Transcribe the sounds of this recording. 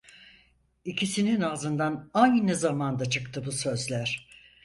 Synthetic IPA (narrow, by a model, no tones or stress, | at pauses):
icʰisininazɯnd̪anajnɯnɯzamand̪at͡ʃʰɯkt̪ʰɯbusø̞zlʲæɾ̥